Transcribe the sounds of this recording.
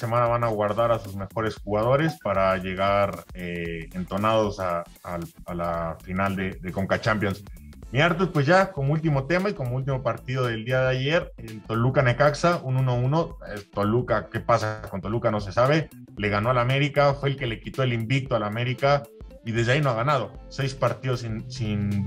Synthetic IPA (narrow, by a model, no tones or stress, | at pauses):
ase̞mãnaβanaɣwaɾðaɾasuzme̞xo̞ɾe̞sxuɣað̞o̞ɾe̞spaɾaʝe̞ɣaɾeent̪o̞naðo̞saː | lalafinald̪e̞ðeko̞ŋkat͡ʃampjo̞ns | miaɾt̪ospwe̞zʝako̞moult̪̬imo̞t̪e̞maiko̞moult̪̬imopaɾt̪iðo̞ðe̞ld̪iað̞eaʝe̞ɾet̪o̞lukane̞kaksaʔununouno̞et̪o̞lukake̞pasako̞nt̪o̞lukano̞s̬e̞saβ̞e̞ | le̞ɣano̞alame̞ɾikafwe̞eːlke̞le̞kit̪o̞elimbik̚t̪oalame̞ɾika | iðe̞zðeaino̞aɣanað̞o̞se̞jspaɾt̪iðo̞sinsin